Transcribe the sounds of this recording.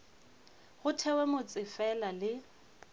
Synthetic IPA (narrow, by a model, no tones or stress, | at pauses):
ɣʊtʰɛwɛmʊt͡sʼɪfɛlalɪ